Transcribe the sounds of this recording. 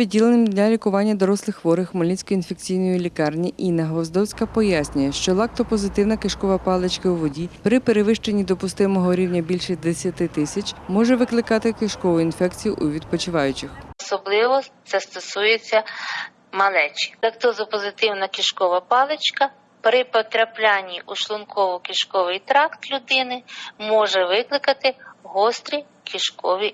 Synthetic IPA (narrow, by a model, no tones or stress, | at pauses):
pʲid̪ʲilˠenɪmd̪ʲnʲalʲikʊʋɑnʲːɐd̪ɔɾɔslˠɪxʋɔɾɪxmɔlʲnʲit͡sʲkɔinfekt͡sʲijnɔjʊlʲikɑrnʲiʔinɐɦɔzd̪ɔwsʲkɐpɔjasʲnʲʊjɛʃt͡ʃɔlˠɑk̚t̪ɔpɔzɪt̪ɪwnɐkɪʃkɔʋɐpɑlˠɪt͡ʃkɐwʋɔdʲipɾɪpeɾeʋɪʃt͡ʃenʲːid̪ɔpʊst̪ɪmɔɦɔɾʲiwnʲɐbʲilʲʃɛd̪esʲjɐt̪ɪt̪ɪsʲɐt͡ʃʲmɔʒɛʋɪklˠɪkɑt̪ɪkɪʃkɔʋʊinfɛkt͡sʲijʊʔʊʋʲid̪̚pɔt͡ʃɪʋɑjʊt͡ʃɪxɔsɔblˠɪʋɔt̪sɛst̪ɔsujet͡sʲːɐ | mɐlˠɛt͡ʃɪ̥d̪ɐkt̪ɔzɐpɔzɪt̪ɪwnɐkʲiʃkɔʋɐpɑlˠet͡ʃkɐ | pɾɪpɔt̪ɾɐplʲanʲːiʔʊʃlˠʊnkʰɔʋɔkʲiʃkɔʋɪjt̪ɾɑkt̪lʲʊd̪ɪnɪmɔʒɛʋɪklˠɪkɐt̪ɪɦɔst̪ɾʲi | kʲiʃkɔʋʲi